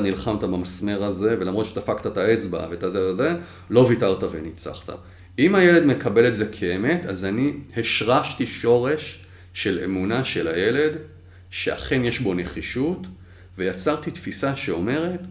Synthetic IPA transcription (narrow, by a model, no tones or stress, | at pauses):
nilχamt̪abamasme̞ʁaze̞velamʁotʃet̪afakt̪at̪aet͡sba̰vet̪azeaze | lo̞vitaʁtave̞̰nit͡sa̰χt̪a̰ | imajele̞dme̞kʰabeletze̞kʰeeme̞t̪azanihe̞ʃʁaʃtiʃo̞ʁe̞ʃː | e̞le̞munaʃe̞laje̞le̞d | ʃe̞a̰χe̞nje̞ʃbo̞ne̞χiʃut | ve̞jat͡saʁt̪it̪fisaʃe̞o̞me̞ʁe̞t̪